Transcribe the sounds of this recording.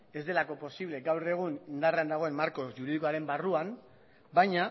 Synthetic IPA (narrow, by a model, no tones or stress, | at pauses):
e̞zd̪e̞lako̞po̞siβle̞ɡawre̞ɣ̞unind̪areand̪aɣ̞o̞e̞mmaɾko̞ʝuɾiðikoaɾe̞mbaruam | bajɲa